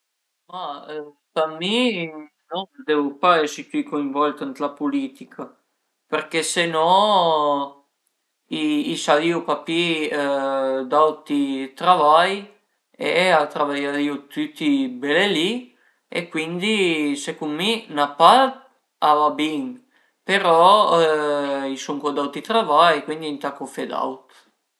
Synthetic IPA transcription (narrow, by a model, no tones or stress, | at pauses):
ma | pami | nɔnd̪ɛvupaesit̪ykoiɱvɔlt̪ant̪lapulit̪ikʰa | peɾkesenɔ | iːsaliupapi | d̪awt̪it̪ɾavaj | eat̪ɾavajaiot̪yt̪ːibeleli | ḛkːwind̪isekumminapa | avabiŋ | peɾɔ | isuŋkod̪awt̪it̪ɾavajkwind̪int̪akofed̪a̰wt̪